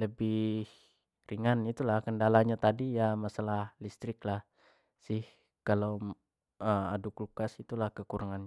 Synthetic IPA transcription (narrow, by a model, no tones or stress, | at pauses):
ləbɪh | riŋanit̪ulahkəndalaɲat̪adijamasalahlist̪ɾɪklah | sɪh | kalow | əmaduklukasit̪ulahkəkuɾaŋanɲa